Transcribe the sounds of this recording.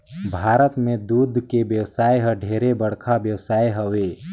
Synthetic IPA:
bʱaːɾət̪mẽd̪uːd̪ʱkebjəwsaːjɦəɖʱeːɾebəɽ̤kʰabjəwsaːjɦəʋeː

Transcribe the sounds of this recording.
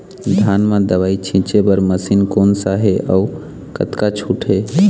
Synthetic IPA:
d̪ʱanmãd̪əʋait͡ʃʰĩt͡ʃebəɾməsinkoːnsaɦeʔɔu | kə̰t̪kat͡ʃʰuʈʰɦe

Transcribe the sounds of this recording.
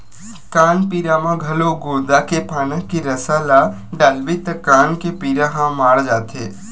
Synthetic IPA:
kaːnpiːɾamãɡʱɐloɡoːd̪akepaːnə̃kiɾɐsaːla | ɖalʋit̪əkaːnkepiːɾaɦãmaːɽd͡ʒaːt̪eː

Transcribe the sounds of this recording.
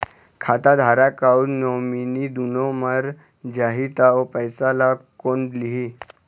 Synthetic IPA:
kʰat̪ad̪ʱaɾakaunnominid̪unoməɾ | d͡ʑaɦit̪aopəjsalakonliɦi

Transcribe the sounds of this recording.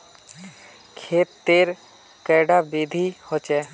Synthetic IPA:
kʰeːt̪ːeːɾ | kɛːɖabiːd̪ʱihoːt͡ʃɛː

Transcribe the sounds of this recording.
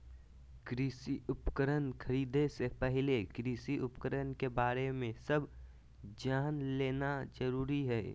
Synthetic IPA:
kɾiːsiʊpkəɾənkʰəɾiːd̪esepɛɦɪlekɾiːsiʔʊpkəɾənkebaːɾemẽsɐb | d͡ʒaːnleːnazəɾuːɾiɦɛ̰ː

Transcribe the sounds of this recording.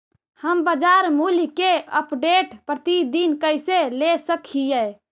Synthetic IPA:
həmbəd͡ʒaɾmulkeəpɖeʈpɾət̪id̪inkəjselesəkʰijɛ

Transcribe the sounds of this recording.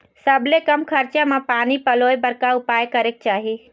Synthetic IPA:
səblekəmkʰəɾt͡ʃamepanipəlojbəɾkaupajkəɾek̚t͡ʃaɦi

